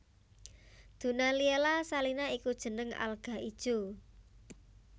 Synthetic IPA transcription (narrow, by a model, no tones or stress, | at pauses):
d̪̥ṳnalielasalinaikud̥ʒ̥ə̤nəŋa̰lɡ̥a̤id̥ʒ̥o̤